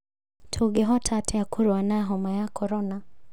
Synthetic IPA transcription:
tʰuɡɛɦɔtʰatʰɛakuɾwanaɦɔmajakʰɔɾɔna

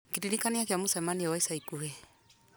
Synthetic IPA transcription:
kiɾiɾikaniakeamosɛmaniɔwaisaikuhɛ

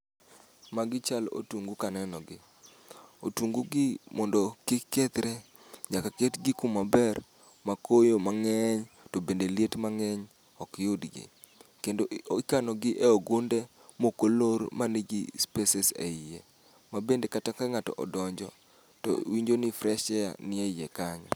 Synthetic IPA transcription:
maɡɪt͡ʃalo̰twuŋɡukanɛnɔɡɪ | o̰tuŋɡuɡɪmɔndɔkɪkːet̪ɾe | ɲakaketɡɪkumːabɛr | makʰojomaŋɛɲ | tobendeljetmaŋɛɲ | ɔkjʊdɡɪ̰ | kendoikanɔɡɪʔeɔɡʊndɛ | mokolormaneɡḭspɛsɛsḛie | mabendekatakaŋatɔ̰ʔɔ̰dɔɲd͡ʒɔ | tɔ̰wiɲd͡ʒonifɾɛʃɛa̰nɪejɛkaɲɔ̰

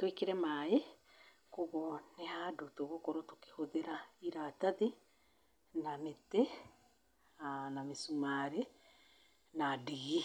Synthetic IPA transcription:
twekeɾɛmae | koɣonehadotoɣokɔɾoto̥ke̥hoðeɾaiɾataði | namete | anamesumaɾe | nadiɣi

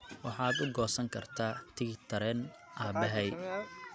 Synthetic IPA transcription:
wɑħɑːd̪ʊɡɔːsɐŋkʰɐrt̪ʰaːt̪ʰɪɡɪt̪ʰɐɾɛn | ʔaːbɛɦɛj

